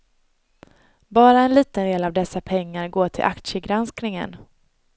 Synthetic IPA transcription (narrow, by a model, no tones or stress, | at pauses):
bɑːɾaɛnliːt̪ənd̪eːlavd̪ɛsːapʰɛŋːaɾɡoːʈʰɪ̰lʔakt̪ʂəɡɾansknɪŋə̰n